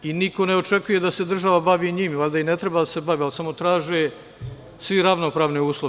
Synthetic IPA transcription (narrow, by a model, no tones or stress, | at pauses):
iniko̞neo̞t͡ʃe̞kuje̞d̪ase̞d̪r̩ʒaʋabaʋiːɲimalʲd̪aine̞t̪ɾebad̪ase̞baʋialsamo̞t̪ɾaːʒe | sʋiɾaʋnopɾaːʋniuːslˠo